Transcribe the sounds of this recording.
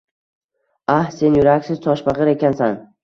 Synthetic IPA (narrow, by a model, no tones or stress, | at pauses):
ahse̞njʊɾakʲsɪz̥t̪ʰɒʃbɑʁɨɾe̞kʲansan